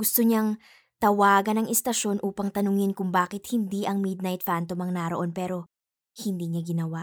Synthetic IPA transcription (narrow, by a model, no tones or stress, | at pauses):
ɡʊst̪oɲaŋ | t̪ɐwaːɡɐnɐŋʔɪst̪ɐʃo̞nʔuːpɐŋt̪ɐnʊŋɪnkʊŋbaːkɪt̪̚hɪnd̪iʔɐŋmid̪̚nɐjt̪̚fant̪omɐŋnɐɾɐʔo̞npɛːɾo̞ | hɪnd̪iːɲɐɡɪnɐwa